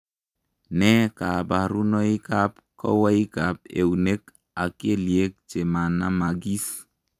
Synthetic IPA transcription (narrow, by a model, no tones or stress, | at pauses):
nɛkabaɾunɔikap̚ | kɔ̰waikap̚ḛunek | akieliek̚t͡ʃemanamaɡis